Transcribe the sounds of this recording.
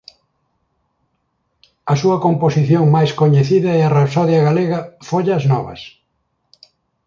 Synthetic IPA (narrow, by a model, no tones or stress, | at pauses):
ɐsuɐkomposiθjoŋmajskoɲeθiðɐearapsɔðjɐɣaleɣɐfoʎɐznɔβɐ̰s